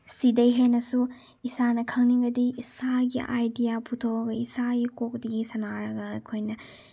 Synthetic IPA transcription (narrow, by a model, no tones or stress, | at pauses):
sidɐjɦenɐsu | isanɐkʰɐŋniŋɡɐdiːsaɡiʔajdijapʰutʰoɐɡɐisaɡikok̚diɡisɐnaɾɐɡɐːjkʰojnɐ